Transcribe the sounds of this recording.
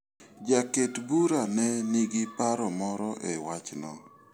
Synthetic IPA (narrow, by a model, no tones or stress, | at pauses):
d͡ʒaketbuɾanɛniɡipaɾɔmɔɾɔʔewat͡ʃnɔ̰